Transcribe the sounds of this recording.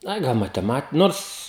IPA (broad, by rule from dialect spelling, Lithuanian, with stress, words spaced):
ˈɐɪ ˈɡɐlˠ mɐtʲɛˈmɐt ˈnoːrs